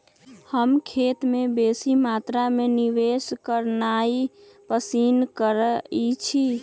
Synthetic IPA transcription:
həmkʰet̪mebesimat̪ɾameniʋeskəɾnai | pəsinkəɾit͡ʃʰi

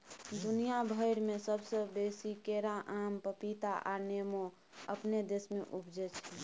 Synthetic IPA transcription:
d̪unijabʱəɪɾmẽsəbsəbesikeɾãʔampəpit̪aʔa̰nemo | əpned̪esmeʔubd͡ʒɛt͡ʃʰɛ

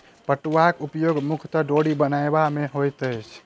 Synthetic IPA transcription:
pəʈuʋakupjoɡmukʰt̪ɔɖoɽibənajbameɦojt̪əjt͡ʃʰ

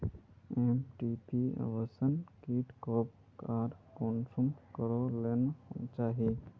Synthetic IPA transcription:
eːmʈipia̰ʋəsənkiːʈkoːp̚ | kaːɾkonsumkəɾolent͡ʃaːɦi

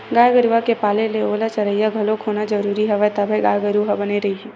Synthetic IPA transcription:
ɡaːjɡəɾuakepaːleleoːlat͡ʃɐɾəijaɡʱɐlokʰoːnad͡ʒəɾuːɾiɦɛʋət̪abʱeɡaːjɡəɾuɦabəneɾɐɦiɦɛː

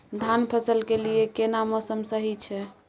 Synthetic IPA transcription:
d̪ʱanpʰəsəlkelijekenamosəmsəɦit͡ʃʰɛ

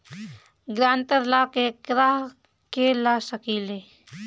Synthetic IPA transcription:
ɡɾãːnt̪əɾlaːkekɾaɦ | kelaːsəkiːle

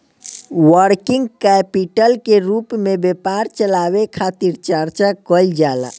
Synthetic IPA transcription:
wəɾkiŋɡkɛpiʈəlkeɾupmebepaɾt͡ʃəlabekʰat̪iɾt͡ʃəɾt͡ʃakɔld͡ʒala̰

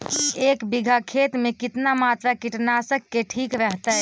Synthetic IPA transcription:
ekbiɡʱakʰet̪mekit̪namat̪ɾakiʈnasəkːeʈʰikɾəɦt̪əj

